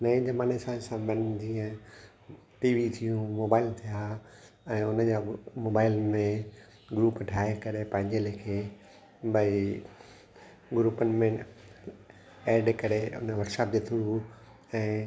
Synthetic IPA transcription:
nɐĩd͡ʑɐmaːnesaːsãbɐnd͡ʑiːə̃ | ʈiːʋit̪ʰijũmoːbaːɪlt̪ʰija | ɛ̃ːʊnəd͡ʑamoːbaːɪlmẽ | ɡɾuːpʈʰaːɦekɐɾepɐ̃ɦɪ̃ɲd͡ʑelekʰeː | bɐi | ɡɾuːpənɪ̆mẽ | eːɾɖkɐɾeʊ̰nəʋɐɾʈsaːp̚d͡ʑet̪ʰʊɽu | ɛ̃ː

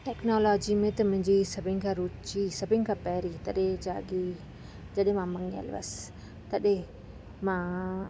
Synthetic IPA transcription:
ʈɛknoːloːd͡ʒimẽt̪ɐmʊ̃ɦɪ̃ɲd͡ʒisɐbɪŋkʰaɾut͡ʃisɐbɪŋkʰapɛːɾit̪ɐɗed͡ʒaːɡi | d͡ʒɐɗẽmãmɐŋə̰lʋɐ̰s | t̪ɐɗe | mã

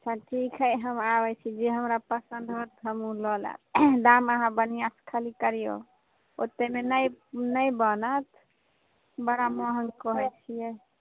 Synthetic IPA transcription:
ət͡ʃʰaʈʰikʰɦəjɦəmabɛt͡ʃʰid͡ʒeɦəmɾapəsənd̪ʱɦot̪ɦəmulɔlɛ̰d̪aməɦãbənijasə̥kʰəlikəɾijo̰ | ot̪ːemenəjnəjbənət̪ʰ | bəɽamɔɦəŋkɔɦɛjt͡ʃʰijɛ

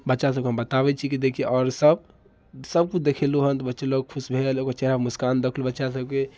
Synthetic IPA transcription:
bətːʃasəb̚keɦə̃mbət̪abɛt͡ʃʰikid̪ekʰieʔɔːɾsəb | səb̚kud̪ekʰeluɦənt̪ɔbətːʃeloɡ̚kʰusbʱelokot͡ʃeɾamuskand̪əkʰlubətːʃasəbke

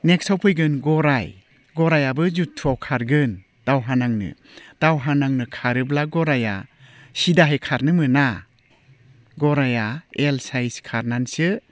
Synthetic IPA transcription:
nek̚sawpʰɯjɡɯnɡɔɾaj | ɡɔɾajabɯzutʰːuawkʰaɾɡɯn | d̥awɦanaŋnɯ̰ | d̥awɦanaŋnɯkʰaɾɯblaɡɔɾaja̰sidaɦejkʰaɾnɯmɯna | ɡɔɾajaelsajskʰaɾnansɯ

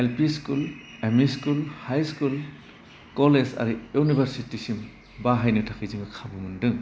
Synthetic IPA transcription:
elpiskulemiskulhajskul | kɔleza̰ɾiunibʱaɾsitisim | baɦajnɯtʰakʰijziŋɯkʰabɯmɯndɯŋ

